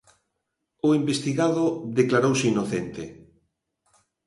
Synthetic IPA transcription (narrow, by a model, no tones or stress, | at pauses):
ʊimbest̪iɣaðʊðeklaɾowseinoθent̪ɪ